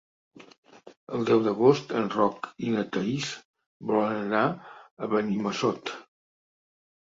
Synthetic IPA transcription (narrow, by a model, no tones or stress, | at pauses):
əlˠd̪ɛwðəɣ̞ost̪ənrɔkinət̪əis | bɔlənənaəβəniməsɔt̪